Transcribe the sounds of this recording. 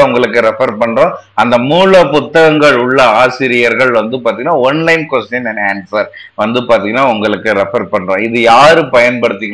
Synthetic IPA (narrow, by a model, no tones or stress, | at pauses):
ʊŋɡɐɭɯkːɯɾɛfɐɾpɐɳːɾõː | ɐnd̪ɐmuːlɐpʊt̪ːɐɣɐŋɡɐɭʊɭːɐaːsɪɾɪjɐɾɣɐɭʋɐnd̪ɯpaːɾt̪iŋɡɐnːaːɔnlɐɪmkʋɛsʈjɐnɛnaːnsɐɾ | ʋɐnd̪ɯpaːɾt̪iːŋɡɐnːaːʊŋɡɐɭɯkːɯɾɛfɐɾpɐɳːɾõːɪðɯjaːɾɯpɐjɐnpɐɽɯt̪ːɯkː